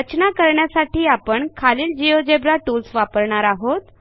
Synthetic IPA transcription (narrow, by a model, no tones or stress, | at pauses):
ət͡ɕnakəɾɳjasaʈiːapəɳkʰaliːld͡ʑijod͡ʑebɾaʈulsʋapəɾɳaɾaɦot̪